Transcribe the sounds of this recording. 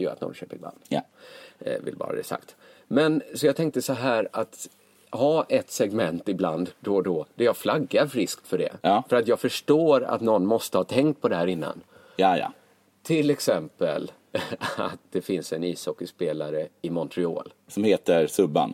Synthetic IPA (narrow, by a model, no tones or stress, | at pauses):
jʊɾa̰t̪nɔ̰nɕøːpəɾɪb̪a̰nd̪ | vɪ̰lbɑ̰ːɾa̰d̪ɛ̰sa̰kt̪ | mɛnsɔjɑːt̪ʰɛŋk̚t̪əsɔɦæːɾat̪ | hɑːʔɛt̪sɛɡmɛnt̪ɪbla̰nd̪d̪ɔd̪ɔd̪̥ɛjaflaɡːaɾfɾɪskt̪fœɖɛ̰fœɾat̪jɑːɡfœʂʈoːɾa̰t̪nɔnːmɔst̪əhɑːt̪ʰɛŋkt̪̚pʰɔd̪ɛhæːɾɪnːa̰n | aja̰ | t̪ʰɪlɛksɛmpə̰l | a̰t̪̚d̪ɛfɪnsɛniːsɔkːəspeːlaɾəɪmɔnt̪ʰɾɪo̰ːl | sɔmheːt̪əɾsɵbːa̰n